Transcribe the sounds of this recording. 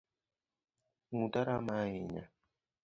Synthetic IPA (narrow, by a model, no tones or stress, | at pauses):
ŋut̪aɾamaɦiɲa̰